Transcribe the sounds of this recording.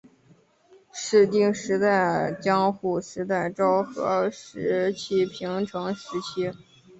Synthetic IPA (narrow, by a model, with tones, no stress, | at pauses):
ʂɻ̩˥˧t̪i˥˩ŋʂɻ̩˧˥t̪a˥˩ɪt͡ɕjɑ˥ŋxu˥˩ʂɻ̩˧˥t̪̬a˥˩ɪʈ͡ʂɑ˥ʊxɤ̰˧˥ʂɻ̩˧˥t͡ɕʰi˥pʰi˧˥ŋʈ͡ʂʰɤ˧˥ŋʂɻ̩˧˥t͡ɕʰi˥